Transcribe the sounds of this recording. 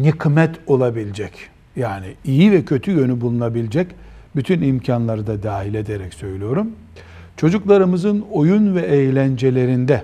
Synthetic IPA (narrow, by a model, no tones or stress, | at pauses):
nikʰmɛt̪ʰo̞lˠabilʲd͡ʒɛc | jaːniijivɛcʰø̞t̪ʰyjø̞nybulˠunabilʲid͡ʒɛc | byt̪ʰynimcʰanlˠaɾɯd̪ad̪aːɦilʲe̞d̪eɾɛcsø̞jlʲyjo̞ɾum | t͡ʃʰo̞d͡ʒuklˠaɾɯmɯzɯno̞junvɛʔejlʲænd͡ʒe̞lʲe̞ɾind̪ɛ